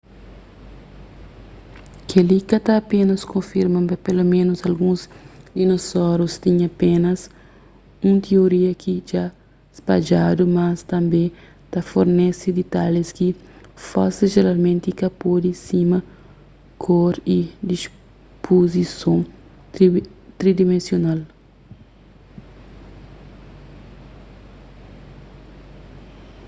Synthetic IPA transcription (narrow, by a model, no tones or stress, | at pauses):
kʰelikɐt̪aːpenɐskõfiɾmãmpɐpelomẽnosɐlɡũzd̪inosɔɾost̪iɲɐpenɐs | ũnt̪ʰioɾiɐkʰid͡ʒa | spad͡ʒad̪umɐst̪ɐ̃mbẽ | t̪ɐfoɾnesid̪it̪aleskifaseʒeɾalmẽnt̪ikɐpod̪isimɐ | kʰɔɾid̪is | pʰozisõŋ | t̪ɾid̪imẽnsjonal